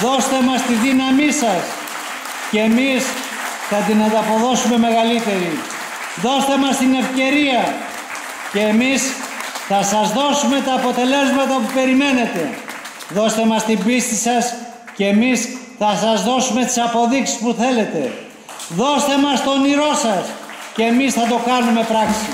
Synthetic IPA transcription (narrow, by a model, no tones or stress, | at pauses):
ðo̞st̪emɐst̪iðinɐmisɐs | ceːmis | θɐt̪inɐnd̪ɐpo̞ðo̞sume̞me̞ɣɐlit̪e̞ɾi | ðo̞st̪e̞mɐst̪ine̞fce̞ɾiɐ | ce̞ːmisθɐsɐzðo̞sume̞t̪ɐːpo̞t̪e̞le̞zmɐt̪ɐpupe̞ɾime̞ne̞t̪e̞ | ðo̞st̪e̞mɐst̪imbist̪isɐs | ceːmis | θɐsɐzðo̞sumest̪i̥sɐpo̞ðiksi̥spuθe̞le̞t̪e̞̰ | ðo̞st̪e̞mɐst̪o̞niɾo̞sɐs | ceːmisθɐt̪o̞kɐnume̞pɾɐksi